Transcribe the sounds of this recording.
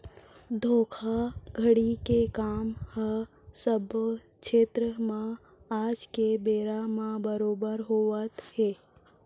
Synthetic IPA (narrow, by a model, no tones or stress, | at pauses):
d̪ʱoːkʰaɡʱəɽikekaːmhə | səbkʃeːt̪ɾəmã | aːd͡ʒkebeːɾamãbəɾoːbəɾɦoːət̪heː